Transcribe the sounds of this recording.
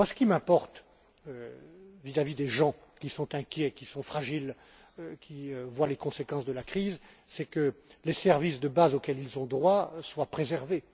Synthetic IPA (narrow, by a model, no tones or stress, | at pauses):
asə̥kʲimɛ̃pɔʁt̪ | øvizavid̪eʒɑ̃kʲisɔ̃t̪ɛ̃kʲjɛkʲisɔ̃fχaʒil | kʲiøvwalekɔ̃sekɑ̃sd̪əlakχizsɛkəlesɛʁvisd̪əbazokʲɛlilzɔ̃d̪ʁwaswapχezɛʁve